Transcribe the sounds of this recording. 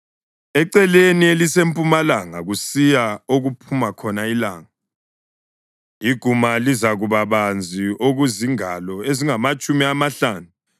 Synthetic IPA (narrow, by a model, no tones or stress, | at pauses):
ɛǀɛlenielisempʼumalaŋa̰ɣusijaoɣupʰumakʰɔnaila̰ːŋa | iɡ̥ʱumalizaɣuβaβand͡zʱioɣuziŋalɔeziŋamat͡ʃʼumiamaɬaːnu